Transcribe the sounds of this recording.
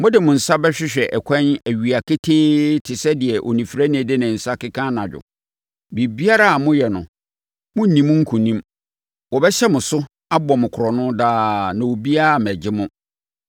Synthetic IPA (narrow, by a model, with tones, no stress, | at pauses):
mʊ̃˦dɪ˨mʊ̃˨n̩˨sa˦bɛ˦ɕᶣɪ˦ɕᶣɛ˨ʔɛ˨kʷʰɛ̃˦næ˨ɥi˨a˨kʰe˦tʰeː˦tʰɪ˨sɛ˦dɪ˨ɛ˨ʔo̰˨nĩ˨fi˨ɾæ˦nɪ̃˨dɪ˦nɪ̃˨n̩˨sa˦kɪ˦kʰã˦nã˨d͡ʑᶣʊ̰˨ | bi˨bi˦a˦ɾa˦a˨mʊ̃˦jɛ˨nʊ̰̃˨ | mʊ̃˦n̩˨nĩ˨mʊ̃˦ŋ̩˦kʰʊ̃˨nĩ˦m | wɔ˨bɛ˦ɕɛ˦mʊ̃˨sʊ˦ | a˦bɔ˨mʊ̃˨kʰʊ˨ɾɔ˨nʊ̃˦daː˦nã˨wo˨bi˦a˦˨m˨æ˨d͡ʑɪ˦mʊ̃˦